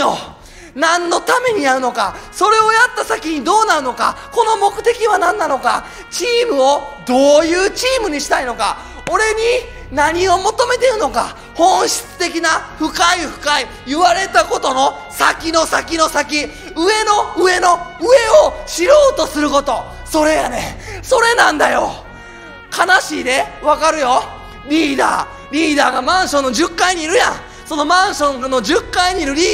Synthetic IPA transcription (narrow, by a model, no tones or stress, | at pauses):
o | nãnːo̞t̪ame̞ɲ̟iaɾɯ̟no̞kaso̞ɾe̞o̞jat̪ːasakʲiɲ̟id̪o̞ːnaɾɯ̟no̞ka̰ko̞no̞mo̞kɯ̟̥t̪e̞kʲiβanãnːano̞ka | t͡ɕiːmɯ̟o̞d̪oːjɯːt͡ɕiːmɯ̟ɲ̟iɕi̥t̪aino̞ka̰ | o̞ɾe̞ɲ̟i | naɲ̟io̞mo̞t̪o̞me̞t̪e̞ɾɯ̟no̞ka̰ | hõ̞ɰ̃ɕi̥t͡sɨ̥t̪e̞k̬ʲinaɸɯ̟kaiɸɯ̟̥kai | jɯ̟βaɾe̞t̪ako̞t̪o̞no̞ | sakʲino̞sakʲino̞sakʲi | ɯe̞no̞ɯe̞no̞ɯe̞oɕiɾo̞ːt̪o̞sɨɾɯ̟ko̞t̪o̞ | so̞ɾe̞jane̞so̞ɾe̞nãnd̪ajo̞̰ | kʰanaɕiːd̪e̞βakaɾɯ̟jo̞ | ɾʲiːd̪a̰ː | ɾʲiːd̪aːɡamãɰ̃ɕõ̞nːo̞ʑɨkːaiɲ̟iːɾɯ̟jã | so̞no̞mãɰ̃ɕõ̞ŋnːo̞d͡ʑɨkːaiɲ̟iːɾɯ̟ɾʲiː